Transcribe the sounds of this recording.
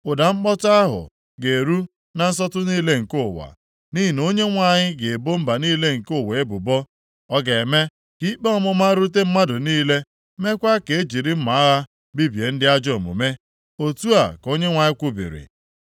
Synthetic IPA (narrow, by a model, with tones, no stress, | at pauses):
ʊ˨da˨m̩˦k͡pɔ˦ta˦ɦʊ̰˨ | ɡe˨ɾu˦ | na˦n̩˦s̬ɔ˦tʊ˦niː˦le˦ŋ̩˨ko˦˨wa̰˨ | ni˦ɦi˨no˦ɲe˦ŋʷa˨ɲɪ˦ɡe˨bo˦m̩˦ba˨niː˦le˦ŋ̩˨ko˦˨we˨e˦bʊ˨bɔ˦ | ɔ˦ɡe˨e˨me˦ | ki˦k͡pe˦ɔ˦mʊ˦ma˦ɾu˦t̬e˦m̩˦ma˦dʊ˨niː˦le˦ | me˦kʷa˦ke˨e˦d͡ʒi˨ɾi˦m̩˦ma˨˦ɣa˦ | bi˦bje˨n̩˦dɪ˦a˦d͡ʒo˨mṵ˨me˦ | o˦tu˦a˨ko˦ɲe˦ŋʷa˨ɲɪ˦kʷʊ˦bḭ˨ɾɪ̰˨